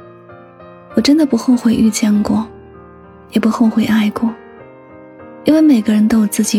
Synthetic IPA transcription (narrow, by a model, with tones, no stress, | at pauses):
wɔ˨˩ʈ͡ʂə˥nd̪ə˨pu˧˥xo˥˧ʊxwe˥˧ɪʔy˥˧t͡ɕjɛ˥˧nkwɔ˥˩ | jɛ˨˩pu˧˥xo˥˧ʊxwe˥˧ɪʔa˥˧ɪkwɔ˥˩ | i˥nwe˥˩ɪme˨˩ɪɡə˦ɻə˧˥nt̪o˥ʊwɔ˨˩t͡sɹ̩˥˩t͡ɕi˨˩˥